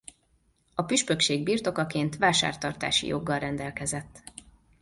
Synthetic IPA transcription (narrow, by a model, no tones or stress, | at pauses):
ɒpyʃpø̞kʃeːɡ̚biːrt̪o̞kɒkeːnt̪ʋaːʃa̰ːrt̪ɒrt̪a̰ːʃḭjo̞̰ɡːɒlrɛnd̪ɛlkɛzɛt̪ː